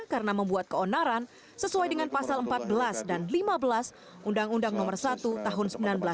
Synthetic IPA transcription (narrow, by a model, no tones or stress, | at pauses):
kaɾənaməmbuat̪̚kəonaɾan | səsuajdəŋanpasaləmpat̪̚bəlasdanlimabəlas | ʔundaŋundaŋnɔmərsat̪ut̪aɦʊnsəmbilanbəla